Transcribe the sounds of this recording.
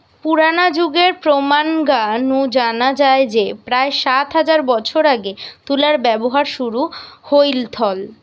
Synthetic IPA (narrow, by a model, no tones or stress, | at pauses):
puɾanad͡ʑuɡeɾpɾomanɡanud͡ʑanad͡ʑaed͡ʑepɾaeʃat̪ɦad͡ʑaɾbɔt͡ɕʰoɾaɡet̪ulaɾbɛboɦaɾʃuɾuhojlt̪ʰɔl